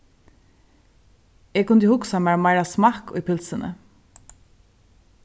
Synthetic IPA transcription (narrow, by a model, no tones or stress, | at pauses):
eːɡkʊnd̪əhʊksamæɹmɑɪɹɑsmɑːkɔ̰ipʰɪlsənə̰